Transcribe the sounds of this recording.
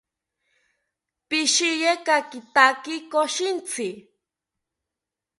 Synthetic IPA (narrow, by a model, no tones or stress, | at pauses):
piʃijekakit̪akikoʃint͡sʰɪ